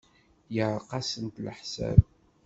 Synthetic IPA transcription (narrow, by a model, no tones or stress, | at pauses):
jəʕqɑsənt̪lħsæ̰b